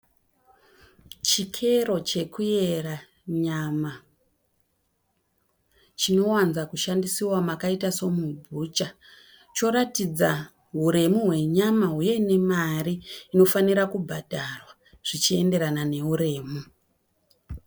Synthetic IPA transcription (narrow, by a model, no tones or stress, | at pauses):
t͡ʃikʰe̞ro̞t͡ʃe̞kujera | ɲama | t͡ʃino̞wanzakuʃandisiwamakaitaso̞mubʱut͡ʃa | t͡ʃo̞ɾatid͡za | ɦuɾe̞muɦwe̞ɲamaɦuje̞ne̞mariːno̞faniɾakubʱadʱarwa | ʐ̥it͡ʃie̞nde̞ɾanane̞uɾe̞ːmu